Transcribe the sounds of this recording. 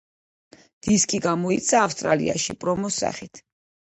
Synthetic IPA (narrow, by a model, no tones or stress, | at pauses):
d̪̥iskʼiɡamɔit̪sʰaːfst̪ʼɾalḭa̰ʃḭpʼɾɔmɔsa̰χit̪ʰ